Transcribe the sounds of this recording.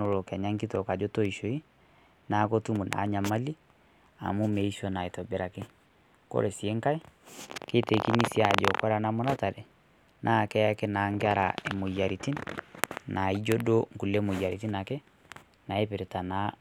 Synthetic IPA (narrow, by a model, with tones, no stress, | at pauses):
o˨lo˨kɛ˨ɲa˦ŋki˦tɔ˨ka˨d͡ʒo˦to˦i˨ʃo˨i˦ | na˨˦ko˦tu˦mu˨nʔa̰˨˦ɲa˨ma˦li˦ | a̰˨mu˦me˨iʃɔ˦na˨e˨tɔ˨be˨ɾa˨kɛ˦ | ko̰˦ɾɛ˨si˨e˦ŋka˦i˦ke˦te˨ki˦ni˦sja˨d͡ʒɔ˨kwa˦ɾa˨na˦mo˦na˦ta˨ɾɛ˨ | nʔa˦˨kɛ˦ja˦kɛ˦na˨ŋɡea˦ɾa˨e˨mo˨ja˨ɾiti˦n | na˨i˦d͡ʒo˦do˦ŋ˨ku˨le˦mo˨ja˨ɾiti˦na˨kɛ˦ | na˨e˦pe˨ɾe˨ta˨na˦